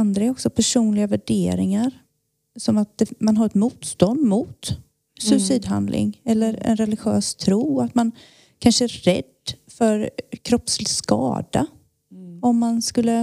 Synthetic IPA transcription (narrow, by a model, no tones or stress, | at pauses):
and̪ɾaɛɾɔksɔpʰæʂuːnlɪɡavæɖeːɾɪŋaɾ | sɔmat̪̚d̪̥ɛmanɦaɾɛt̪muːt̪st̪ɔnd̪mʊt̪ | sɵɪsiːd̪ɦa̰nd̪lʔɪ̰ŋɛlːəɾɛ̰nɾɛlɪɧøːst̪ʰɾuːat̪man | kʰanʂəæːɛ̰d̪ːfœɾkʰɾɔpslɪskɑ̰ːd̪a̰ | ɔmːanskɵlːə